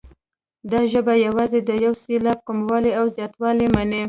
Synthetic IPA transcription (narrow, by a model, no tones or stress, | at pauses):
d̪ɑʒəbajawɑzed̪əjawselɑp̚kumwɑleawzjɑt̪wɑlemane